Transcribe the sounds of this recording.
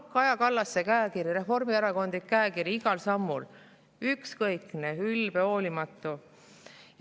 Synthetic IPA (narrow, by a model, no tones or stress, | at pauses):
kːɑjɑkɑlːɑsːekæːkiɾjiɾe̞fo̞rmiɑɾɑko̞nd̪ikkːæekiɾiiɡɑlsɑmːṵl | ykskɤjknehylb̥e̞o̞ːlimɑt̪ːˑu